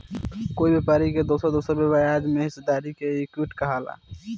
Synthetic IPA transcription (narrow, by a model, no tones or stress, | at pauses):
koːibepaːɾiked̪osəɾd̪oːsəɾbebajad͡ʒmeɦɪsd̪aːɾikeekuʈkəɦala̰ː